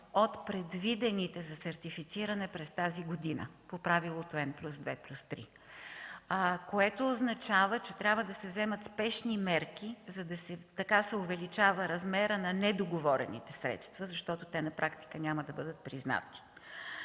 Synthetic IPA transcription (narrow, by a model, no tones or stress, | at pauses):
ot̪pɾɛd̪vid̪ɛnit̪ɛzɐsɐɾt̪ifit̪siɾənɛpɾɛst̪aziɡod̪inə̰popɾavilˠot̪oɛnplʲusd̪vɛplʲust̪ɾḭ | koɛt̪oːznɐt͡ʃavət͡ʃɛt̪ɾʲabvəd̪ɐsɛvzɛmət̪spɛʃnimɛɾk̟izɐd̪ɐsɛt̪ɐkasɛovɛlit͡ʃavəɾɐzmɛɾənɐnɛd̪oɡovɔɾɛ̰nḭt̪ɛsɾɛ̰t̪st̪vəzɐʃt̪ɔt̪ot̪ɛnɐpɾʔakt̪i̥kənʲaməd̪ɐbɤd̪ət̪̚pɾizna̰t̪i̥